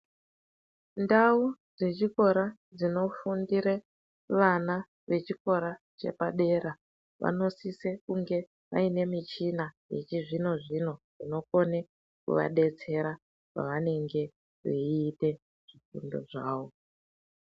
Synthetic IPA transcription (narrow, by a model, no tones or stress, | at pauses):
ndaud͡ze̞t͡ʃiko̞ɾa | d͡zino̞fundiɾe | ʋana | ʋe̞t͡ʃiko̞ɾa | t͡ʃe̞̰paɗe̞ɾa | ʋa̰no̞sise̞kuŋɡe̞ | ʋa̰ine̞mit͡ʃinajḛt͡ʃiʐino̞ʐino̞ʐ̥ino̞ko̞ne | kṵʋa̰ɗe̞t͡se̞ɾa | ka̰ʋane̞ŋɡe̞ | ʐeːte̞ | ʐ̥ikundo̞̰ʐaːʋo̞